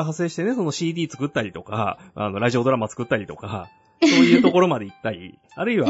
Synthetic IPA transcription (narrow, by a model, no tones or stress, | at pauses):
ɦasːe̞ːɕi̥t̪e̞ne̞so̞no̞ɕiːd̪ʲiːt͡sɨ̥kɯ̟t̪ːaɾʲit̪o̞ka̰a̰no̞ɾaʑio̞d̪o̞ɾamat͡sɨ̥kɯ̟t̪ːaɾʲit̪o̞ka | so̞ːjɯ̟ːt̪o̞ko̞ɾo̞mad̪e̞it̪ːaɾʲḭ | aɾɯ̟iβa